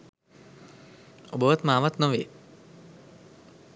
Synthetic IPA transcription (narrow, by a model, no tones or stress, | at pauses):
obəʋat̪maːʋat̪noʋeː